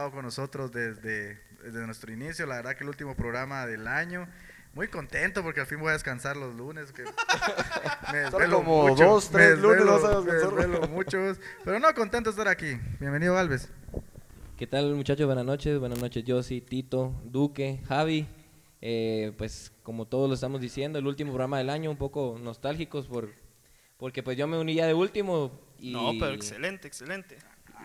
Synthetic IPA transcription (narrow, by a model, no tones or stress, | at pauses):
aðokonːoso̞t̪ɾozðezðe | zezenwest̪ɾoinisjolaβe̞ɾðakelult̪̬imopɾoɣɾamaðelaɲo | mujko̞nt̪e̞nt̪opo̞ɾkealfinbojaðeskansaɾlozluneske | meðezβelomoðoost̪ɾeezluneelnosaβeoeeseɾβelomut͡ʃospeɾonokont̪ent̪oest̪aɾakibjembeniðoalβe̞s | ke̞t̪almut͡ʃat͡ʃoβwe̞nazno̞t͡ʃe̞sβwe̞nazno̞t͡ʃesʝosit̪it̪o̞d̪uke̞xaβi | epwesko̞mo̞t̪o̞ðozlosest̪amo̞zðisje̞nd̪oelult̪imopɾɾamaðe̞laɲo̞umpo̞ko̞no̞st̪alxiko̞spoɾ | po̞ɾke̞pwezʝo̞me̞uniʝaðeult̪imo̞inopeɾoekselent̪eekselent̪e